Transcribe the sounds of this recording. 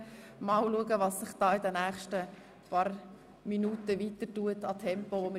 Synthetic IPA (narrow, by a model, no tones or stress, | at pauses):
mɑlluəɡəʋɑsːɪχd̥ɑːɪdɛnæːχʃtə | pɑːɾ | minutəvitətuətɑtʰɛmpoʋomə